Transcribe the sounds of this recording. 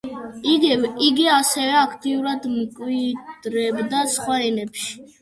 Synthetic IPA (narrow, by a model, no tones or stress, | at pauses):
iɡiɡiasɛvɛakʰt̪ʼiuɾad̪mkʼwid̪̥ɾɛbd̪at̪sχwaɾɛnɛpʃi̥